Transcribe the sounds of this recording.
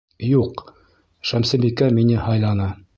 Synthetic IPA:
juq | ʃæmsɘ̆bikæminɘhɑjlˠɑnɑ

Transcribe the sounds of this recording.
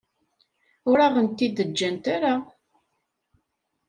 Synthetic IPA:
ʊɾaʁənt̪ːid̪əd͡ʒːænt̪aɾa

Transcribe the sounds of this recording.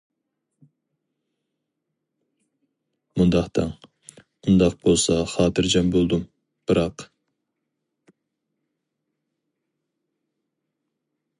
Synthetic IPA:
mund̪ɑχt̪ɑŋ | und̪ɑq̚b̥olˠsɑχɑːt̪ʰɨɾd͡ʒɑmbolˠd̪um | b̥ɨɾɑq

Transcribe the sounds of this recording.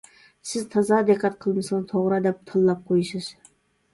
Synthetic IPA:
sɪzt̪ʰɑzɑd̪eqːɑt̪̚qʰəlˠmɨsɨnt̪ʰoʁɾɑd̪ɛp̚t̪ʰɨlˠːɑp̚qʰojɨʃɨz̥

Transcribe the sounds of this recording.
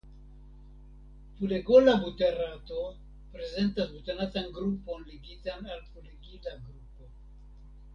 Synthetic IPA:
fuleɡolabuteɾato̞ | pɾe̞ze̞ntasbut̪enatanɡɾupo̞nliɡitanalfuleɡilaɡɾupo

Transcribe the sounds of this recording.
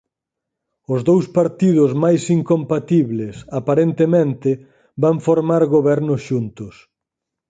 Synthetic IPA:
ʊzðowspaɾt̪ið̞ʊzmajsiŋkompat̪iβlɪsapaɾent̪emẽnt̪ɪ | baɱfoɾmaɾɣoβɛɾnʊsʃunt̪ʊs

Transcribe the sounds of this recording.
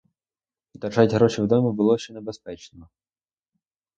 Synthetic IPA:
d̪ɐrʒatʲɦɾɔt͡ʃɪwd̪ɔmʲibʊlˠɔʃt͡ʃːɛnɛbespɛt͡ʃnɔɔ

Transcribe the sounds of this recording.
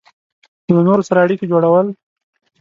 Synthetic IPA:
lanoɾosaɾaːɽiked͡ʒoɽawəl

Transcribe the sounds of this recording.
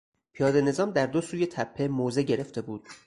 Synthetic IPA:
pʰijɒːd̪e̞ne̞zɒːmd̪æɾd̪o̞suːje̞t̪ʰæpʰːe̞moːze̞ɟe̞ɾe̞ft̪e̞buːd̪̥

